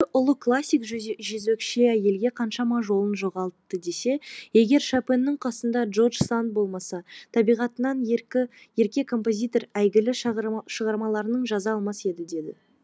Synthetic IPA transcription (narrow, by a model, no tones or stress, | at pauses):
ʔʊlˠəkʰlˠasʲːijkʒʒɵzekʃeæje̞lɡʲe̞qʰɑnʃɑmɑʒo̞lˠənʒo̞ʁɑlˠt̪ːəd̪e̞se̞je̞ɡʲe̞ɾʃapenːɪŋqʰɑsənd̪ɑʒo̞rʒsant̪̚bo̞lˠmɑsɑt̪ʰɑbijʁɑt̪ənɑnɪ | je̞ɾkʲe̞kʰo̞mpo̞zʲijt̪o̞ɾæjɡʲɪlɪʃʃəʁɑɾmɑlˠɑɾənəɴʒɑzɑːlˠmɑse̞d̪ɪd̪e̞d̪ɪ̰